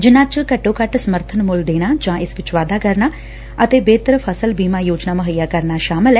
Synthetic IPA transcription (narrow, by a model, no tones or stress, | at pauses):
d͡ʒɪnãːt͡ʃkəʈːoːkəʈsəməɾt̪ʰənmʊld̪eːɽ̃aːd͡ʒãːʔɪsʋɪt͡ʃʋaːd̪aːkəɾnaː | ət̪eːbeːt̪əɾəpʰəsəlbiːmaːjoːd͡ʒnaːməɦəjːaːkəɾnaːʃaːmɪlɛː